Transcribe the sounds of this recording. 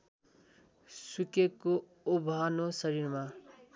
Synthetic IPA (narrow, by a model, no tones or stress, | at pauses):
sukeko | obʱanosʌɾirma